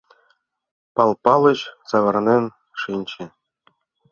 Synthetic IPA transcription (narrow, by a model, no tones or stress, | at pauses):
pɑlˠpɑlˠɤ̆ɕsɑʋɤ̆rnʲenʲ | ʂinʲt͡ɕɘ̆